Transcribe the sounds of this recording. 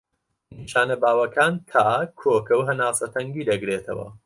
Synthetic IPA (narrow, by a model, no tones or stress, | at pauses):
niʃaːnɐbaːwɐkaːntʰaːkʰoːkɐwɦɐnaːsɐt̪ʰɐŋɡiːd̪ɐɡɾeːt̪ʰɐ̰wɐ̰